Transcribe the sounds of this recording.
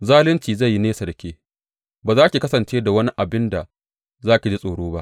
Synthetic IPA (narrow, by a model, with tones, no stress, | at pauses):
zaː˦lɪ˦nt͡ʃiː˨za˦˨jːi˦neː˦sɐ˨dɐ˨kʲeː˦ | baː˨zaː˦kʲi˨kɐ˦sɐ˨nt͡ʃeː˦da˨wɐ˦ni˦ʔa˨bɪ˦nda˨ | zaː˦kʲi˨d͡ʒi˦sʼoː˨ɽoː˦ba˦ʔ